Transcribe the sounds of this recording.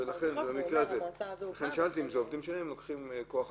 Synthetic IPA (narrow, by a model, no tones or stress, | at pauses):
elaχenbemikʁeazeaχe̞nʃaalt̪iimzeovd̪imʃenimlokχimkoaχ